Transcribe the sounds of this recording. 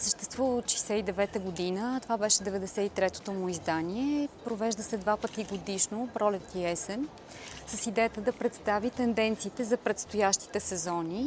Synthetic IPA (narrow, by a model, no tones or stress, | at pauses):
səʃt̪ɛst̪vuvəʃə̥jsɛid̪ɛvɛt̪əɡod̪inət̪ovabɛʃɛd̪ɛvɛd̪ɛsɛit̪ɾɛt̪o̥t̪omʊizd̪aniɛpɾovɛʒd̪əsɛd̪vapət̪iɡod̪iʃnopɾɔlɛkt̪iɛsɛn | səsid̪ɛjət̪əd̪ɐpɾɛt̪st̪avit̪ɛnd̪ɛnt̪siːt̪ɛzɐpɾɛt̪st̪ojaʃt̪i̥t̪ɛsɛzɔni